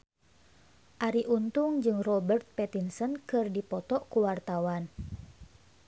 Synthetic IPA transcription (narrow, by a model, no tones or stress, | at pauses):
ʔaɾiʔunt̪uŋd͡ʒɨŋrɔbərt̪̚pɛt̪insənkɨrdipɔt̪ɔʔkuwart̪awan